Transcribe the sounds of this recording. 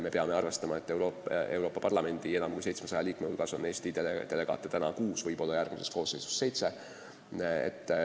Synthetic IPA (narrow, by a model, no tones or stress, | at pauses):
me̞peɑme̞ɑrve̞st̪ɑmɑet̪ːˑewɾoe̞̰wɾo̞ːpːɑ̥pɑrlɑme̞nʲd̪̥ie̞nɑmkujse̞jt̪smesɑjɑliːkmehulɡ̥ɑso̞nːe̞ːsʲt̪ied̪e̞le̞ɡ̥ɑ̰ːt̪ːˑe̥t̪ænɑ̰kuːsvɤjb̥o̞lːɑjærɡ̥mise̞sko̞ːsːejsu̥sːe̞jt̪se̞ | ḛt̪ː